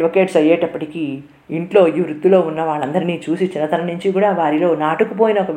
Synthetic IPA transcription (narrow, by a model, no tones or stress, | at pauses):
ʋokeːʈsɐjeːʈɐpːɐʈiki | iɳʈlo̞ːiʋɾut̪ːulo̞ːunːɐʋaːɭːɐnd̪ɐɾiniːt͡ʃuːsit͡ʃinːɐt̪ɐɾɐnuɲt͡ʃikuːɽaːʋaːɾilo̞ːnaːʈukup̬o̞ːjinɐɔkɐ